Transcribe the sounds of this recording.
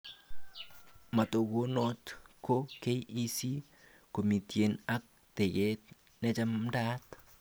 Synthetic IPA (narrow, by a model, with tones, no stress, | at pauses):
ma˨to˨ɡo˦no˦tkʰo˦ke˦ji˦si˦ | ko˨mi˨tje˨na˦k̚ | tɛ˨ɣɛ˦t̚ | ne˦t͡ʃa˦mda˦t